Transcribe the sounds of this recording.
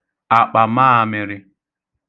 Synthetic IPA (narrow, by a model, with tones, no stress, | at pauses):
a˨k͡pa˨maː˦a˨mɪ˨ɾɪ˦